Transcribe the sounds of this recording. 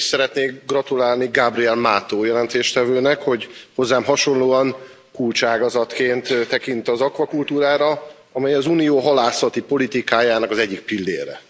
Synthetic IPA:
sɛɾɛt̪neːkɡrɒt̪ulaːlniɡaːbriɛlmaːt̪oːjɛlɛnt̪eːʃt̪ɛvøːnɛkho̞ɟho̞zːaːmɦɒʃo̞nloːɒŋ | kult͡ʃaːɡɒzɒt̪keːnt̪t̪ːɛkint̪ɒzɒkʋɒkult̪uːɾaːɾɒ | ɒmɛjɒzunijoːɦɒlaːsɒt̪ipo̞lit̪ikaːjaːnɒkɒzɛɟːik̚pilːḛːɾɛ̰

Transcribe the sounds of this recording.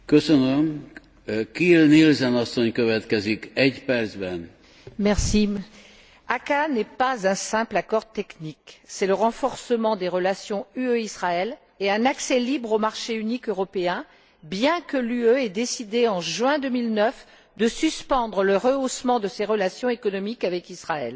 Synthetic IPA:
køsønøm | kilnilzɛnɒsːoɲkøvɛt̪kɛzikɛɟpɛrd̪zbɛn | mɛʁsi | akanɛpazɛ̃sɛ̃plakɔʁt̪ɛkniksɛləʁɑ̃fɔʁsəmɑ̃d̪eʁəlasjɔ̃yøisχaɛl | eɛ̃naksɛlibʁomaʁʃeynikøʁɔpeɛ̃ | bjɛ̃kəlyøɛd̪esid̪eɑ̃ʒɥɛ̃d̪ømilnœf | d̪əsyspɑ̃d̪ʁələʁəosmɑ̃d̪əseʁəlasjɔ̃ekɔnɔmikavɛkisχaɛ̰l

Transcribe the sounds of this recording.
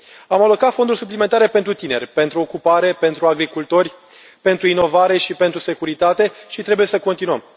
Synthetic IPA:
amalo̞kat̪fo̞nd̪urʲsuplime̞nt̪aɾe̞pe̞nt̪ɾut̪ine̞̰rʲpe̞nt̪ɾuo̞kupaɾe̞pe̞nt̪ɾuaɡɾikult̪o̞rʲ | pe̞nt̪ɾuino̞vaɾe̞ʃipe̞nt̪ɾusekuɾit̪at̪e̞ʃit̪ɾe̞buje̞səko̞nt̪inuəm

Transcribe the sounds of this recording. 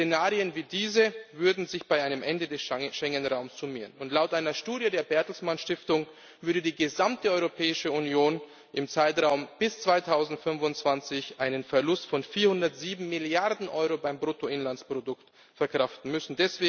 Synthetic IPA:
t͡senaːʁiənviːdiːzəvʏɐdn̩zɪçb̥aɪʔaɪnəmʔɛndədɛsʃɛŋənʁaʊmsz̥umiːənʊntlaʊtʔaɪnɐʃtuːdjədeːɐbɛɐtl̩smanʃtɪftʊŋ | vʏɐdədiːɡəzamtəɔʏʁopʰɛːɪʃəunjoːn | ʔɪmt͡saɪtʁaʊmb̥ɪst͡sv̥aɪtʰaʊzn̩tfʏnvʊntt͡sv̥ant͡sɪçʔaɪnənfɛɐlʊstfɔnfiːɐhʊndɐtz̥iːbm̩mɪljaʁdn̩ʔɔʏʁobaɪmbʁoːtoɪnlant͡sspʁ̥odʊkt | fɛɐkʁ̥aftn̩mʏsn̩dɛsv̥eː

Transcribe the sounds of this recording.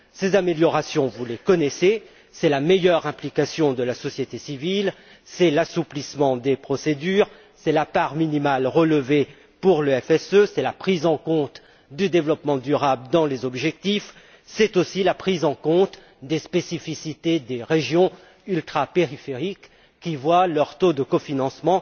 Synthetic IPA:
sezameljɔʁasjɔ̃vulekɔnɛse | sɛlamejœʁɛ̃plikasjɔ̃d̪əlasɔsjet̪esivil | sɛlasuplismɑ̃d̪epχɔsed̪yʁ | sɛlapaʁminimalʁələve | puʁləɛfɛsøsɛlapχizɑ̃kɔ̃t̪ | d̪yd̪evlɔpmɑ̃d̪yʁabld̪ɑ̃lezɔbʒɛk̚t̪if | sɛt̪osilapχizɑ̃kɔ̃t̪ | d̪espesifisit̪ed̪eʁeʒjɔ̃ | ylt̪χapeʁifeʁikː | ivwalœʁt̪od̪əkɔfinɑ̃smɑ̃

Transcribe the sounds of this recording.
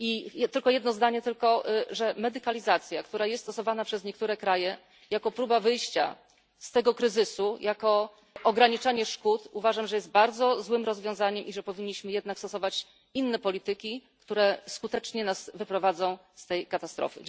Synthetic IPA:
it̪ɘlkɔjɛd̪nɔzd̪aɲɛt̪ɘlkɔʐɛmɛd̪ɘkalʲizat̪sʲjakt̪uɾajɛst̪t̪ɔsɔvanapʂɛzɲɛk̚t̪uɾɛkɾajɛ | jakɔpɾubavɘjɕt͡ɕa̰ | st̪ɛɡɔkɾɘzɘsujʔakɔ | ʔɔɡɾaɲit͡ʂaɲɛʂkut̪uvaʐamʐɛjɛst̪̚baɾd̪zɔzwɘmɾɔzvʲjɔ̃w̃zaɲɛmʔiʐɛpɔvʲiɲːiɕmɘjɛd̪nakst̪ɔsɔvat͡ɕ | inːɛpɔlʲit̪ɘkʲikt̪uɾɛskut̪ɛt͡ʂɲɛnasvɘpɾɔvad̪zɔ̃w̃ | st̪ɛjkat̪ast̪ɾɔ̰fɘ̰

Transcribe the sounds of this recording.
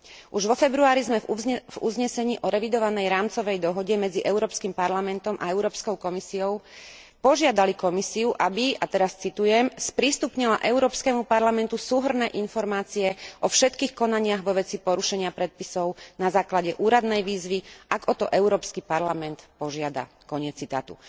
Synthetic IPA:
ʔuʒʋɔfɛbɾuaːɾizmɛvṵzɲɛsɛɲiːʔɔɾɛʋid̪ɔʋanɛjɾaːmt͡sɔʋɛjd̪ɔɦɔɟɛmɛd͡ziʔɛʊɾɔːpskimpaɾlamɛnt̪ɔmʔa̰ɛʊɾɔːpskɔʊkɔmisiɔʊ | pɔʒɪad̪alikɔmisiuʔabiat̪ɛɾast͡sit̪ujɛmspɾist̪upɲilaʔɛʊɾɔːpskɛmupaɾlamɛnt̪usuːɦr̩nɛːʔinfɔɾmaːt͡siɛʔɔfʃɛt̪kiːxkɔnaɲɪaɣʋɔʋɛt͡sipɔɾuʃɛɲɪapɾɛt̪̚pisɔʊnazaːklaɟɛʔuːɾad̪nɛjʋiːzʋiʔaɡɔt̪ɔʔɛʊɾɔːpskipaɾlamɛnt̪pɔʒɪad̪a̰ | kɔɲɪɛt͡sːit̪a̰ːt̪ṵ

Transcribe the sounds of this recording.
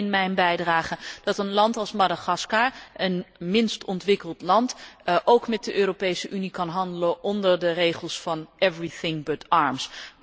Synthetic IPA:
ɪnmɛjnbɛjdraːχəd̥ɑtənlɑntɑlˠsmadaχɑskaʔənmɪnstɔntʋɪkəlˠtlɑntʔowkmɛt̚dəʔøːropejsəʔynikɑnɦɑndələʔɔndəɹdərejχəlˠsfɑnʔɛvriθɪŋbətɑɹms

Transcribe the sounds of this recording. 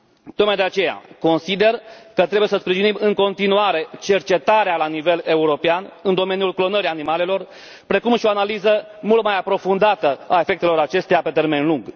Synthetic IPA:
t̪o̞k̚majd̪eat͡ʃe̞ja̰ko̞nsid̪e̞rkət̪ɾebuje̞səspɾiʒinimɨŋko̞nt̪inuaɾe̞t͡ʃe̞rt͡ʃe̞t̪aɾealanive̞le̞uɾo̞peanɨnd̪o̞me̞njulklo̞nəɾianimale̞lo̞r | pɾe̞kumʃio̞analizə | mult̪̚majapɾo̞fund̪at̪əae̞fe̞k̚t̪e̞lo̞ɾat͡ʃe̞st̪ejape̞t̪erme̞nluŋɡ

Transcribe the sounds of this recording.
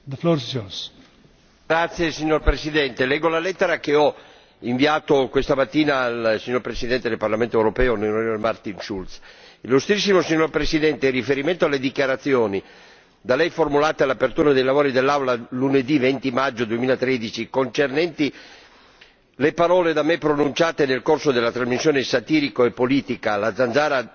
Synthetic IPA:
d̪əfloɾssos | ɡɾat̪sːjesiɲːorpɾesid̪ɛnt̪elɛɡolalɛt̪ːeɾakeɔ | iɱviaːt̪okwest̪amat̪ːiːnaːlsiɲːoɾpɾesid̪ɛnt̪ed̪elparlament̪oewɾopɛːoneɾooɾmart̪inʃult̪silːust̪ɾisːimosiɲːorpɾesid̪ɛnt̪erːifeɾiment̪oalːed̪ikjaɾat̪sːjoːni | d̪alɛjformulaːt̪ealapert̪uːɾad̪ejlavoːɾid̪elːawlaluned̪ivent̪imad͡ʒːod̪uemiːlat̪ɾed̪it͡ʃikont͡ʃernɛnt̪i | lepaɾɔːled̪amepɾonunt͡ʃaːt̪enelkorsod̪elːat̪ɾazmisːjoːnesat̪iːɾikoepːoliːt̪ikalad̪zand̪zaːɾa

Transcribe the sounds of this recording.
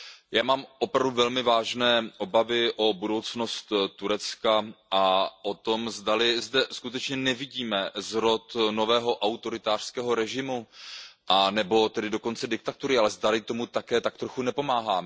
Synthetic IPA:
jaːmaːmʔo̞pɾavduvɛlmɪvaːʒnɛːʔo̞bavɪʔo̞budo̞wt͡sno̞st̪t̪ːuɾɛt͡skaʔaʔo̞t̪o̞mzdalɪzdɛskut̪ɛt͡ʃɲɛnɛvɪɟiːmɛzɾo̞t̪no̞vɛːɦo̞ʔawt̪o̞ɾɪt̪aːr̥skɛːɦo̞ɾɛʒɪmuʔanɛbo̞t̪ɛdɪdo̞ko̞nt͡sɛdɪk̚t̪at̪uɾɪalɛzdalɪt̪omut̪akɛːt̪akt̪ɾo̞xunɛpo̞maːɦaːmɛ

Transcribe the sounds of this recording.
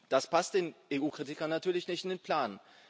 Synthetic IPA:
d̥aspast̚d̥eːnʔeʔuːkʁ̥itɪkɐnːatʰyːɐlɪçnɪçtɪndeːnpʰl̥aːn

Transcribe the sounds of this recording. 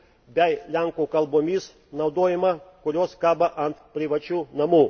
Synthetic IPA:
bʲɛɪlʲæŋkuːkɐlˠboːmʲiːs | nɐʊd̪oːjɪmɐkʊɾʲoːskɑːbɐʔɐnt̪pʲɾʲɪʋɐt͡ʃʲuːnɐmuː

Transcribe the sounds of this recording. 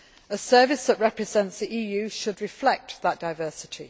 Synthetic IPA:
əsɜːvɪsðəʔɹɛpɹɪzɛ̃ntsðiʔiːjʉːʃədɹɪflɛk̚tðəʔ̚d̥aɪvɜˑsɪtʰi

